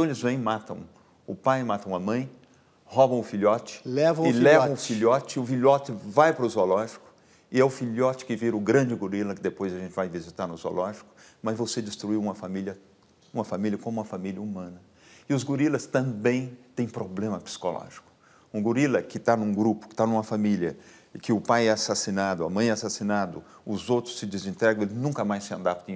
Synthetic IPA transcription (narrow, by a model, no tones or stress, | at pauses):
t̪ɐ̃w̃elɪzvẽj̃mat̪ɐ̃w̃ | ʊpajmat̪ɐ̃w̃ɐmɐ̃j̃ | hɔbɐ̃w̃ʊfiʎɔt͡ʃɪ̥lɛvɐ̃w̃ɪlɛvɐ̃ʊfilɔt͡ʃɪʊfiʎɔt͡ʃɪvajpɾʊzolɔʒikʊ̥ | ɪɛʊfiʎɔt͡ʃɪ̥kɪviɾʊɡɾɐ̃d͡ʒɪɡuɾilɐkɪd̪epojzɐʒẽnt͡ʃɪvajvizit̪aɾnʊzo̰lɔʒikʊ̥ | mɐzvosed͡ʒɪst̪ɾuiwũmɐfamiljɐ | ũmɐfamiliɐkõmʊũmɐfamiliɐumɐ̃nɐ | ɪʊzɡuɾilɐst̪ɐ̃mbẽj̃t̪ẽj̃pɾoblẽmɐpsi̥kolɔ̰ʒi̥kʊ̥ | ũɡuɾilɐkɪt̪anũɡɾupʊ̥kɪ̥t̪anũmɐfamiljɐ | kɪʊpajɛasasinad̪ʊɐ̰mɐ̃j̃ɛasasinad̪ʊ | ʊzowt̪ɾʊ̥sɪd͡ʒɪzĩnt̪ɾɛɡɐ̃w̃elɪnũŋkɐmajsɪɐ̃nd̪ap̚t̪ẽ